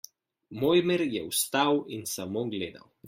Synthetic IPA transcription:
moːjmeɾjɛwst̪awinsamoːɡleːd̪a̰w

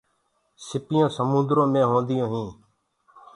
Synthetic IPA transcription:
sɪpɪjõːsəmũnd̪ɾõːmẽːɦõːnd̪ɪjõːɦĩː

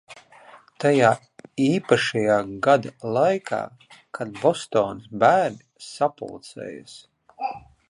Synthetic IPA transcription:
t̪ajaː | iːpaʃajaːɡad̪alˠajkʰa̰ː | kʰad̪bɔst̪oːnsbæːɾnʲisapṵlˠt̪sɛ̰ːja̰s

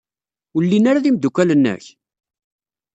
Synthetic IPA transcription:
ulːinaɾaðimd̪ukʷːælənːə̰ç

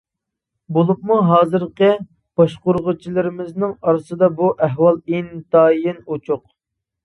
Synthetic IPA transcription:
bolˠup̚muɦɑːzɨɾqə | b̥ɑʃqʊɾʁʊt͡ʃʰilˠɨɾɪmɪznɪŋɑɾɨsɨd̪ɑbuʔɛɦwɑlˠint̪ɑːjɪnot͡ʃʰʊq̚

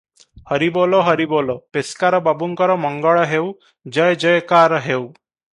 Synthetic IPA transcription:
hɔɾiboloɦɔɾibolopeskaɾɔbabuŋkɔɾɔmɔŋɡɔɭɔɦew | d͡ʒɔjd͡ʒɔjkaɾɔɦew

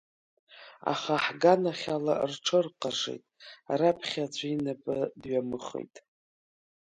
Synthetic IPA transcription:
a̰χaħɡanaχʲalarʈ͡ʂʰɨrqʼaʂḛjtʼrapʰχʲad͡ʒʷʰʼainapʼɨdɥamɨχḛjtʼ

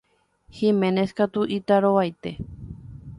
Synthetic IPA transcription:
himẽneskat̪uʔit̪aɾowajt̪e

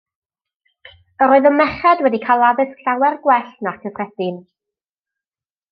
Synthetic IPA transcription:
əɾoːɨðɔmɛχɛdwɛdikʰalˠaðɨskʰɬawɛrɡwɛɬnakʰəvrɛdɪn

